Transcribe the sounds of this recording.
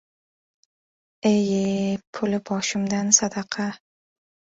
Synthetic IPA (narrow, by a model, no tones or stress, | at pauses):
ejepʰʊlɪbɒʃɪmd̪ansad̪ɑqʰɑ